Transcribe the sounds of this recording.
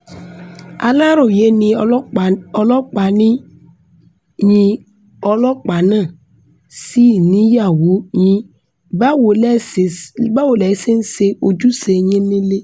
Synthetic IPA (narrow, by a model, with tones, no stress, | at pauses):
a̰˨la˦ɾʊ˨je˦nĩ˨˦˨ɔ˨lɔ˦k͡pa˨ni˦ | ɲĩ˨ | ɔ˨lɔ˦k͡pa˨nã˦˨ | si˦˨nĩ˦ja˨wu˨˦ɲĩ˦ | ba˦wo˨l | ba˦wo˨lɛ˨˦se˦n̩˦se˦ʔo˨d͡ʒu˦se˨ɲẽ˦le˦le˦